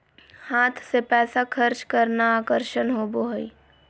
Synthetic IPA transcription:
haːt̪ʰsepɛːsakʰəɾt͡ʃkəɾnaːkəɾʃənɦoːboɦi

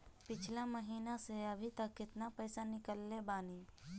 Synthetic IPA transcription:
pit͡ʃʰlaməɦiːnaseəbʱit̪əkːɪt̪napəjsanikəlːebaːni

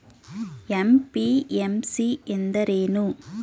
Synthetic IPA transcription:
ɛmpiɛmsiend̪ɐɾeːnu

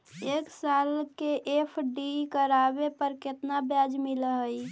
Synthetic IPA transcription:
eːksalkeʔepʰɖikəɾabepəɾkɪt̪nabjad͡ʒmiləɦəi

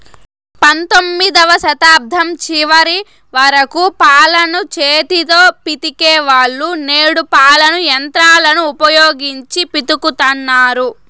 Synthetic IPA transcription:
pɐnt̪omːid̪ɐʋɐsɐt̪aːb̚d̪ʱɐmt͡ʃiʋɐɾi | ʋɐɾɐkupaːlɐnut͡ʃeːt̪it̪o̞ːpit̪ikeːʋaːɭːuneːɽupaːlɐnujɐnt̪ɾaːlɐnuːpɐjoːɡiɲt͡ʃipit̪ukut̪ɐnːaːɾu

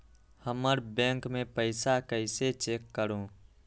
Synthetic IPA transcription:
həməɾbɛ̃ŋkmẽpəɪsakəɪset͡ʃeːkːəɾõ

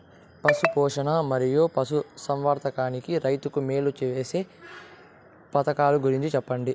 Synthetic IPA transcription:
pɐsupɔːʂɐnɐmɐɾijoːpɐsusɐmʋaːɾt̪ɐkaːnikiɾɐjt̪ukume̞ːlut͡ʃiʋeːseː | pɐt̪ɐkaːluɡuɾiɲt͡ʃit͡ʃɛpːɐɳɖi

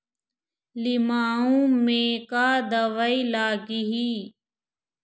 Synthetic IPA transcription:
lɪmaːũːmẽːkaːd̪əʋəilaːɡiɦiː

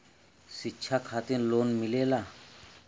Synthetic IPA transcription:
sitːɕʰakʰaːt̪inloːnmɪleːlaː

